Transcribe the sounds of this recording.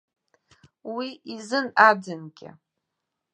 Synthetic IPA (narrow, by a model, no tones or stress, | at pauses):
wiizɨnad͡zɨnɡʲɪ̰